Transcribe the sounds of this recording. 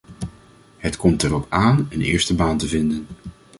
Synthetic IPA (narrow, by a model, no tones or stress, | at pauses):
hətkɔmtɛrɔpaːnənɪ̰ːɹstəbaːntəvɪndən